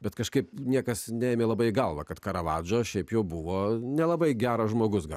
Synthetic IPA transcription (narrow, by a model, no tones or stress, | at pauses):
bʲɛt̪kɐʃkɐɪpnʲiɛkɐsnʲɛeːmʲeːlˠɐbɐɪɡɐlˠʋɐkɐt̪kɐɾɐʋɑːd͡ʒoːʃʲɛɪpjɛʊbʊʋoːnʲɛlˠɐbɐɪɡʲæːɾɐʒmoːɡʊsɡɐlˠ